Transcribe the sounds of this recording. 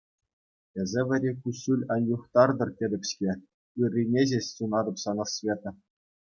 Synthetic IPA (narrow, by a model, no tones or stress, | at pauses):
ĕzʲeʋʲɘ̆ɾʲekuɕulʲɑnjuχt̪ɑrd̪ɤ̆rtʲedʲɘ̆pʲɕkʲe | yrʲːinʲeʑeɕʲsunɑd̪ɤ̆psɑnɤ̆svʲet̪ɤ̆